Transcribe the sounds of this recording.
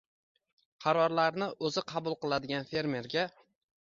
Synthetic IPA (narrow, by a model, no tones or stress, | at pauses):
qʰɑɾɒɾlaɾnɪʔɵzɪqʰɑbʊlˠqɨlˠad̪ɪɡʲanfe̞ɾme̞ɾɡʲa